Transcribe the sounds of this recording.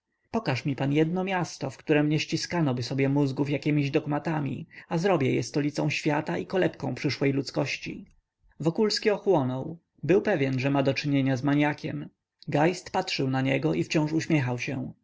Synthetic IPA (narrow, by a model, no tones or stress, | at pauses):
pɔkaʂmʲipanjɛd̪̚nɔmʲjast̪ɔfkt̪uɾɛmɲɛɕt͡ɕiskanɔbɘsɔbʲjɛmuzɡufjakʲimʲiʑd̪ɔɡmat̪amʲḭazɾɔbʲjɛjɛ̰st̪ɔlʲit̪sɔ̃w̃ɕfʲjat̪aʔikɔlɛt̪kɔ̃pʂɘʂwɛjlut̪skɔɕt͡ɕḭ | vɔkulskʲiɔxwɔnɔw | bɘwpɛvʲjɛnʐɛmad̪ɔt͡ʂɘɲeɲazmaɲakʲɛ̰m | ɡajst̪patʂɘwnaɲɛɡɔʔift͡ɕɔ̃w̃ʂuɕmʲjɛxawɕɛ̰̃